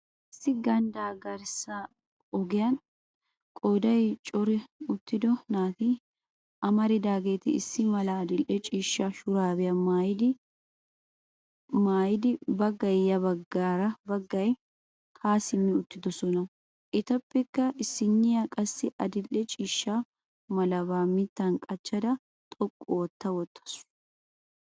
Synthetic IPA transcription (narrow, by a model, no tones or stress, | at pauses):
ɪsːɪɡɐnd̪aːɡɐɾsɐ | ɔɡɪjɐn | kʼoːd̪ɐjt͡ʃʼɔɾɛʊt̪ːɪd̪ɔnaːt̪ɪ | ɐmɐɾɪd̪aːɡeːt̪ɪɪsːɪmɐlaːd̪ɪlʔɛt͡ʃʼiːʃːɐʃʊɾaːbɛjɐmaːjɪd̪ɪ | maːjɪd̪ɪbɐɡɐjjɐbɐɡːaːɾɐbɐɡːɐj | haːsɪmːɪʊt̪ːɪd̪ɔsɔnɐ | ʔɪt̪ɐpːɛkːɐʔɪsːɪnːɪjɐkʼɐsːɪʔɐd̪ɪlːɛt͡ʃʼiːʃːa | mɐlɐβaːmɪt̪ːɐnkʼɐt͡ʃːɐd̪ɐ | t̪ʼɔkʼːɔwɔt̪ːɐwɔt̪ʰːɐ̥sʊ̥